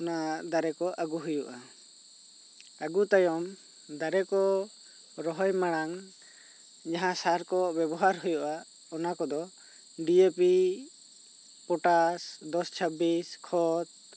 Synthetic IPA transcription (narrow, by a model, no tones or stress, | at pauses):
ɔnad̪aɾɛkɔʔaɡuɦujuʔa | aɡut̪ajɔm | d̪aɾɛkɔ | ɾɔɦɔjmaɽ̃aŋ | d͡ʒaɦãsaɾkɔbɛbɔɦaɾɦujɔʔa | ɔnakɔd̪ɔ | ɖiepi | pɔʈasd̪ɔst͡ʃʰəbiskʰɔt̪̚